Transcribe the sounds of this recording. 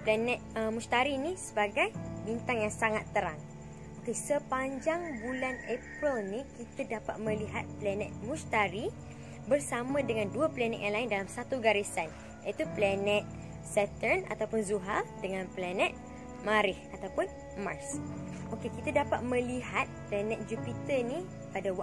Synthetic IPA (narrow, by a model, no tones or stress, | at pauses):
plɛnɛt̪̚əmũst̪aɾinisəbaɡajbint̪aŋjaŋsaŋat̪ːəɾaŋ | ʔokesəpaɲd͡ʒaŋbulanepɾilnĩkit̪adapat̪̚mə̃liɦa̰t̪̚plɛnɛt̪̚mũst̪aɾi | bərsamãdəŋãnduaplɛnɛ̰t̪ʔ̚jãŋlaɪndalamsat̪uɡaɾisan | jait̪uplanɛ̃t̪̚ | sɛt̪ərna̰t̪awpʊnzuɦadəŋãnplɛnɛt̪̚ | maɾɪhat̪awpʊn | marsʔokekit̪adapat̪̚mə̃liɦat̪̚plɛnɛ̃t̪̚d͡ʒupit̪əni | padawa